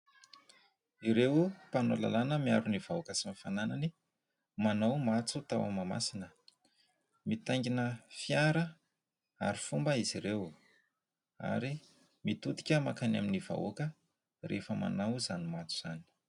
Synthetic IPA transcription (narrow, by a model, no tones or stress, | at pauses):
iɾewupanola̰lanəmiaɾunivaokəsimifananani | manawmat͡sut̪awa̰mama̰sinə | mit̪aŋɡinəfjaɾə | a̰ɾi̥fumbəiziɾew | a̰ɾi | mit̪ut̪i̥kʲəmakana̰miniv̥a̰o̰kə | rḛfəma̰nawzanimat͡su̥z̥a̰ni̥